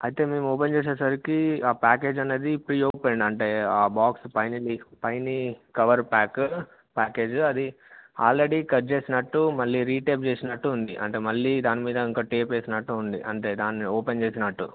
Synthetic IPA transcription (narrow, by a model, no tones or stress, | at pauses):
ɐjit̪e̞ːme̞ːmoːp̬ent͡ʃe̞ːs̬eːsɐɾikiaːpaːke̞ːd͡ʒɐnːe̞ːd̪ipɾiːoːpeɳɖɐɳʈe̞ːaːbaːkspɐjnilipɐjnikɐʋɐɾpaːk | paːke̞ːd͡ʒɐd̪i | a̰ːlɾeɽiːkɐɾt͡ʃe̞ːsinɐʈːumɐlːiːɾiːʈeːp̚t͡ʃe̞ːsinɐʈːuːnd̪iʔɐ̰ɳʈe̞ːmɐɭːiːd̪aːnimiːd̪ɐiŋkaːʈeːpeːsinɐʈːuːnd̪ḭʔɐ̰ɳʈe̞ːd̪aːnːioːpent͡ʃe̞ːsinɐʈːṵ